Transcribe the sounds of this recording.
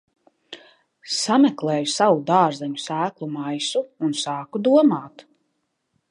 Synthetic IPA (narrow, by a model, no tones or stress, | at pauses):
samɛklˠɛːjusawud̪aːɾzaɲusæːklˠumajsuːnsaːkud̪uɔmaːt̪